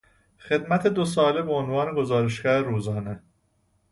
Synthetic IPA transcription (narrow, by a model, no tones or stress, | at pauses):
xe̞d̪mæt̪ʰe̞d̪os̬ɒːlebeonvɒːneɡo̞zɒːɾeʃɡæɾeɾuːzɒːne